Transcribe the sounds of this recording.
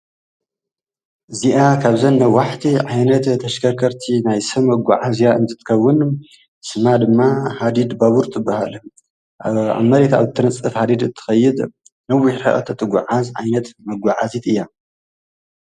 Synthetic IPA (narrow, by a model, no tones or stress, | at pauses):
ʔɨziʔakʰaβzɐnːɐwaħt̪ʰiʕajnɐt̪t̪ʰːɐʃkʰɐkʰɐɾt̪ʰinajsɐmːɐɡʷaʕazjaɨnt̪ʰɨ̥t̪ʰɨ̥kʰɐwːʊn | sɨmad̪ɨmːahad̪id̪baβuɾt̪ʼɨbːahalɨ | a̰mːɐɾet̪ʰa̰βt̪ʰːɨɾɨt͡sʼːɨfhad̪id̪ɨt̪ʰːɨ̥xɐjːɪd̪ | nɐwːʊħɾħa̰ʔʼɐ̰t̪ʰːɐt̪ʰːɨɡʷʊʕazʕa̰jnɐt̪mɐɡʷaʕazit̪ʰɨjːa